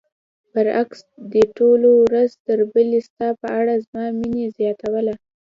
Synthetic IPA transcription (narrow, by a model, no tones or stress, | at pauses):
pəɾaksd̪əʈolowɾazt̪əɾbəlist̪ɑpəaɽazmɑminezjɑt̪awəla